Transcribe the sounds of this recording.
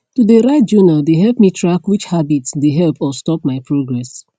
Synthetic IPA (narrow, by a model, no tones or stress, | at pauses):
tudəɾaɪt̚d͡ʒunaldeɦɛlpmitʰɹakwit͡ʃhabitsdeɦɛlpɔstɔp̚maɪpʰɹoɡɹɛs